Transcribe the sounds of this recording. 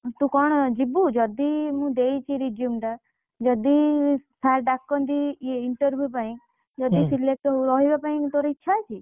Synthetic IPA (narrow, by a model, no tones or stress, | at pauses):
t̪ũkɔɳ̃d͡ʒibud͡ʒɔd̪imũd̪ejt͡ʃʰiɾid͡ʒjumʈa | d͡ʒɔd̪isʰaɾɖakːɔnd̪ieɪɳʈəɾʋjupaĩ | d͡ʒɔd̪isilek̚ʈuɾɔɦibapaĩt̪oɾiitːʃʰat͡ʃʰi